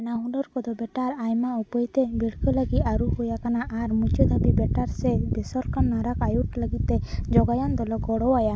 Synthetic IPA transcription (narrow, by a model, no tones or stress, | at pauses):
naɦuɖɔɾkɔd̪ɔbɛʈaɾajmaɔpɔjt̪ebiɽkʰɔləɡiaɾuhujakanaʔaɾmut͡ʃɔd̪ʱabibɛʈaɾsɛbesɔɾkanːaɾakajuʈləɡit̪ed͡ʒɔɡajɔnd̪ɔlɔɡɔɽɔwaja